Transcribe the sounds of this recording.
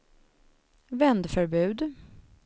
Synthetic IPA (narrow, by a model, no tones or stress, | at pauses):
vɛnd̪fœɾbʉ̟ːd̪